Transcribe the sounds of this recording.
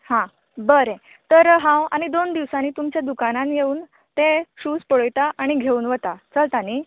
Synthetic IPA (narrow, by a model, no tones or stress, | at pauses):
hã | bəɾẽ | t̪əɾɦãwaɽ̃id̪ond̪iʋsaniːt̪umt͡ɕjad̪ukananjeuːn | t̪ẽɕuːspɔɽəjt̪aʔaɽ̃iɡʱeuːnʋət̪at͡səlt̪aniː